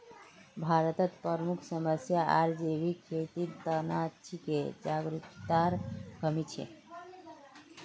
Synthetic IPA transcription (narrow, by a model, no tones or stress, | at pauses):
bʱaɾət̪ət̪pəɾmukʰsəməsjaaɾd͡ʒebikʰet̪iɾt̪ənat͡ʃʰiked͡ʒaɡɾikt̪aɾkəmit͡ʃʰḛ